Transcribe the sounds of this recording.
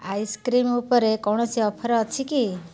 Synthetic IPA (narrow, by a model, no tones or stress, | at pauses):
ajskɾimupɔɾekɔwɳ̃ɔsiɔpʰɔɾɔːt͡ʃʰiki